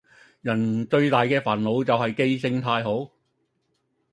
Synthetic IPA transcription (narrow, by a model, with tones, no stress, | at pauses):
jɐ˨˩nt͡sɵ˧ɥt̪aː˨jkɛː˧faː˨˩nlo˨˧wt͡sɐ˨wɦɐ˨jke˥jsɪ˧ŋt̪ʰaː˧jɦo˨˥w